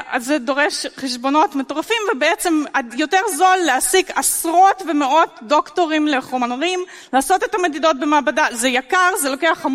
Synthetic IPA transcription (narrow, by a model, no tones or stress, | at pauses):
ʔalzedo̞ʁeʃχeʃbo̞no̞tmeto̞ʁafimvebeet͡se̞madjo̞teʁzo̞lːeasiɡasʁo̞tvemeʔo̞tdo̞kto̞ʁimle̞χomaʁim | laːso̞te̞tame̞dido̞t̚bemaːbadazejakaʁzelo̞ke̞aχam